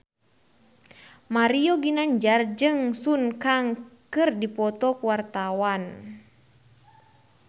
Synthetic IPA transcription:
maɾiɔɡinaɲd͡ʒard͡ʒɨŋsunkaŋkɨrdipɔt̪ɔkuwart̪awan

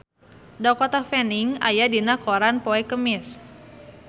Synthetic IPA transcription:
dɔkɔt̪afɛniŋa̰jadinakoɾanpɔɛkəmɪs

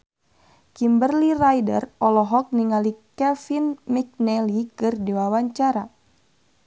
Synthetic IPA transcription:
kimbərlirajdə̰rɔlɔɦɔk̚niŋalikɛfinmik̚nɛlikɨrdiwawaɲt͡ʃaɾa̰

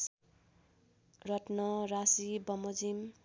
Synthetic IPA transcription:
rʌʈnʌɾasibʌmod͡zim

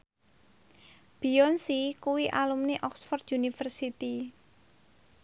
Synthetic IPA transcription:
b̥iɔnsikuwiʔalumniʔɔksfɔrd̪unifərsit̪i

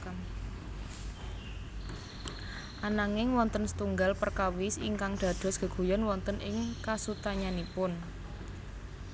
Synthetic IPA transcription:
ʔanaŋɪŋwɔnt̪ənsə̥t̪uŋɡalpərkawɪsiŋkaŋd̪̥a̤d̪̥ɔ̤sɡ̥ə̤ɡ̥ṳjɔnwɔnt̪ənʔɪŋkasut̪aɲanipʊn

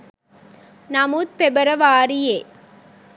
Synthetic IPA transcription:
nɐmuːt̪̚pɛbɐɾɐʋaːɾijeː

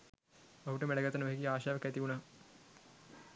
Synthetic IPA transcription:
ɐuʈəmeɽɐɡɐt̪ːɐnɐʋɐɦikiaːʃaːʋɐkæt̪iʋunaː

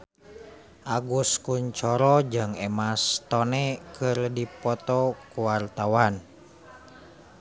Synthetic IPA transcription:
ʔaɡuskuɲt͡ʃɔɾɔd͡ʒɨŋɛmast̪ɔnɛkɨrdipɔt̪ɔkuwart̪awan

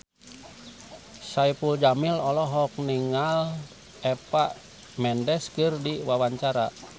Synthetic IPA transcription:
saipuld͡ʒamilɔlɔɦɔk̚niŋal | ɛpaʔ | mɛndɛskɨrdiwawaɲt͡ʃaɾa

